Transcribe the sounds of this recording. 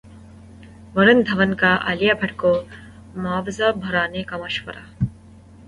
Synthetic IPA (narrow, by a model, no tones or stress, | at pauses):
ʋɐɾɐnd̪ʱɐʋɐnkaːʔɐ̰lijɐbʱɐʈkoː | maːʋzɐbʱɐɾaːnekɐmɐʃʋɐ̰ɾa̰